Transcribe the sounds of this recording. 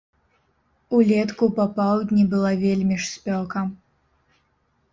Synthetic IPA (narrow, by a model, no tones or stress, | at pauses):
ulʲɛt̪kupɐpawˠd̪ʲnʲibɨlˠavʲelʲmʲiʂsʲpʲɔkɐ